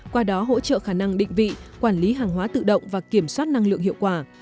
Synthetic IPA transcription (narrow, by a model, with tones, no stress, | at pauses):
kwaː˧ɗɔ˨˦ɦo̰˧˥t͡ɕə̰ː˧˨xaː˧˩na˧ŋɗḭ˧˨ŋ̟vḭ˧˨kwaː˧˩nli˨˦ɦaː˨˩ŋɦwaː˨˦t̪ɨ̰˧˨ɗə̰˧˨wŋ͡mvaː˨˩ki˧˩əmswaː˦˥t̚na˧ŋlɨ̰˧˨əŋhḭ˧˨əwkwaː˧˩